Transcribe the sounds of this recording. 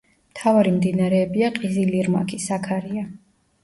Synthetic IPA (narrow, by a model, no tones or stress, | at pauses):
mt̪ʰavaɾimd̪inaɾɛːbiaqʼiziliɾma̰kʰisakʰaɾia